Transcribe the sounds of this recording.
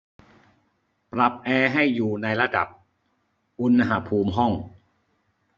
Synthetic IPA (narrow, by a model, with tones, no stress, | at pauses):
pɾa˨˩p̚ʔɛː˧ɦa˥˩jːuː˨˩na˧jɾa˧da̰˨˩p̚ | ʔu˧nma˧ɦa˦˥pʰuː˧mɦɔ˥˩ŋ